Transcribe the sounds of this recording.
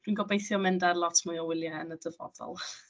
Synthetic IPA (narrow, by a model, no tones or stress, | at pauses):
d̥winɡɔbejθjɔmɛndarlˠɔtʰmʊɔwɪlˠjaənədəvɔ̰ðɔ̰lˠ